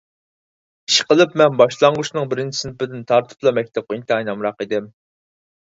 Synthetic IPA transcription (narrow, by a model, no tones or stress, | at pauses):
iʃqəlˠɨpmɛnbɑʃlˠɑɴʁʊʃnɨŋbɪɾɪnt͡ʃʰisɪnpɪd̪ɪnt̪ʰɑɾt̪ʰɨ̥plˠɑmɛk̚ʲt̪ʰɛp̚qʊint̪ɨɑjnɑmɾɑqid̪ɪm